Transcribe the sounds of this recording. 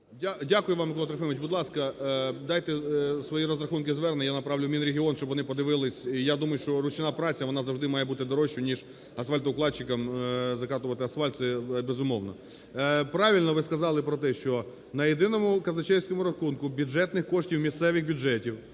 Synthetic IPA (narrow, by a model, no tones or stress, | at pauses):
dʲadʲakʊjʊʋɑmɪklˠɑt̪ɾɔfɪmɪt͡ʃʲbʊd̪lˠɑskɐd̪ɑjt̪ɛsʋɔjiɾɔzɾɐxunkɪzʋɛrnɪjanɐpɾɑʋlʲʊmʲinɾʲeɦʲiɔnʃt͡ʃɔbʋɔnɪpɔd̪ɪʋɪlˠɪsʲijad̪umɐjʊʃt͡ʃɔɾʊt͡ʃɪnɑpɾɑt͡sʲjɐʋɔnɑzɐwʐd̪ɪmɑjɛbut̪ɪd̪ɔɾɔʃʲʊnʲiʒ | ɐsfɑlʲt̪ɔʊklˠɑdt͡ʃːɪkɐmzɐkɑt̪ʊʋɐt̪ɪɐsfalʲt̪sɛbezʊmɔwnɔ | pɾɑʋʲilʲnɔʋɪskɐzɑlˠɪpɾɔt̪ɛʃt͡ʃɔ | nɐjed̪ɪnɔmʊkɐzɐt͡ʃɛwʲsʲkɔmʊɾɐxunkʊbʲʊʒɛt̪nɪxkɔʃtʲiwmʲist̪sɛʋɪxbʲʊd͡ʒɛtʲiw